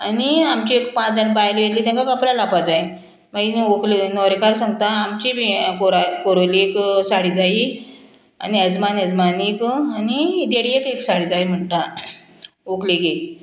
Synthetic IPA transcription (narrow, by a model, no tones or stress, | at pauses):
aniamt͡ɕiekpãt͡sd͡zəɳbajlijet̪liːt̪ɛ̃ŋkakaplalapad͡zaj | mainokʰlnɔɾekaɾsãŋɡt̪aːmt͡ɕiikoɾakoɾolieksaɽid͡zai | a̰niəd͡zmanəd͡zmanikanid̪eɽiekeksaɽiːd͡zaim̤əɳʈ̪a | okleɡe